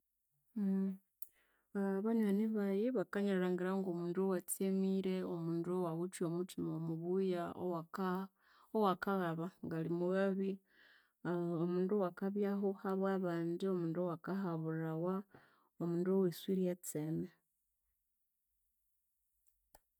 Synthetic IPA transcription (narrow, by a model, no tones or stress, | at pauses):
βaɲwaniβajiβakaɲaɾaːŋɡiɾaŋɡomuːndowat͡semiɾe̞omuːndowaɣut͡ʃjo̞mutimomuβuja | owakaɣaβaŋɡalimuɣaβi | omuːndowakaβjaɦohaβwaβaːndio̞muːndowakahaβurawa | omuːndoweswiɾijat͡sene